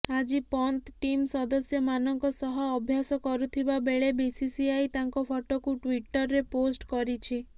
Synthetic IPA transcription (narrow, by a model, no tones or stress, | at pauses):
ad͡ʒipɔnt̪ʈimsɔd̪ɔsjɔmanɔŋkɔsɔɦɔːbʱjasɔkɔɾut̪ʰibabeɭebisisiajt̪aŋkɔpʰɔʈokuʈwiʈɔɾːeposʈkɔɾit͡ʃʰi